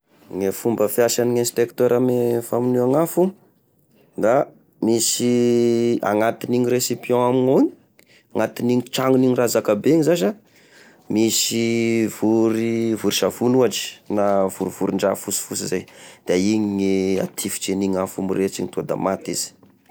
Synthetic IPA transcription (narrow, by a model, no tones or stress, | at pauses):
ŋefumbəfjasaniɲenspekt̪ɔɾʔamefaminuaŋafu | d̪a | misi | a̰ŋat̪iniɲiɾesipiɔ̃aminoiɲi̥ | aŋat̪iniɲit͡ʃaŋuniɲirazakabeɲizaʃa | misivuɾivuɾiʃavunuaʈ͡ʂi̥navuɾiv̥uɾiɳɖ͡ʐa̰fusi̥fusizajd̪̥aiɲiŋea̰t̪ʰifi̥t͡ʃeniŋafumiret͡siɲit̪uad̪a̰mat̪iz̥i̥